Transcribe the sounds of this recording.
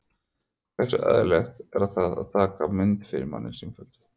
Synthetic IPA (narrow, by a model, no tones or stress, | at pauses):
θɛsʏʔœ̰ðlɛxt̪ɛɾaðθaða̰ðt̪ʰaːkamɪnt̪fɪɾɪ̰ɾma̰nːɪnsɪmfœlt̪